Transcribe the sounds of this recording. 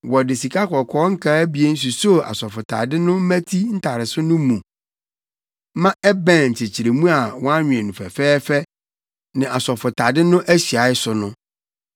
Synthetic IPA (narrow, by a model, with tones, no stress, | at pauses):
wɔ˨dɪ˨si˨kʰa˦kʰɔ˨kʰɔː˦ŋ̩˦kʰa˦bi˨˦e˦n̩˦s̬u˨so˦˨a̰˨sɔ˨fʊ˨tʰa̰˨dɪ˦nʊ̃˦m̩˦mæ̃˦tʰi˦n̩˦tʰa˨ɾɪ˨sʊ˦nʊ̃˦mũ˨˦ | mã˦ʔɛ˦bɛ̃˦˨ɲ̩˨t͡ɕʰe˨t͡ɕʰi˨ɾe˨mũ˦a˨wɔ̃˦a˦ɲᶣĩ˨ɛ̃˨nũ˨fɛ̰˨fɛː˦fɛ˦ | nɪ̃˨ʔa˨sɔ˨fʊ˨tʰa˨dɪ˦nʊ̃˦ʔæ˦ɕi˨a˨˦ɪ˦sʊ˨nʊ̃˦